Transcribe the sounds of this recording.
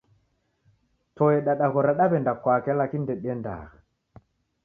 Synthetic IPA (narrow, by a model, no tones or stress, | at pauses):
tɔɛɗaɗakɔɾaɗabɛndakwakɛlakindɛɗɛnda̰ːk